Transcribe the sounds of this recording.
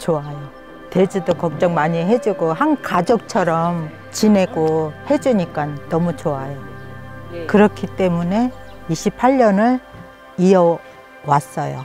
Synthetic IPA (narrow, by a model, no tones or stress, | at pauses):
t͡ɕoajo | te̞d͡ʑudokʌk̚t͡ɕ͈ʌŋmaɲiɦe̞d͡ʑuɡoɦankad͡ʑok̚t͡ɕʰʌɾʌm | t͡ɕine̞ɡohe̞d͡ʑuɲik͈anːʌmut͡ɕoajo | kɯɾʌkʰit͈e̞mune̞ | iɕʰipʰaʎːʌnɯɭ | iʌ | was͈ʌjo̰